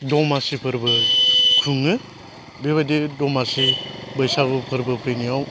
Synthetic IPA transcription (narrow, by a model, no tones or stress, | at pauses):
dɔmasipʰɯɾbɯkʰuŋɯ | beβadidɔmasibɯjsabɯpʰɯɾbɯpʰɯjnijaw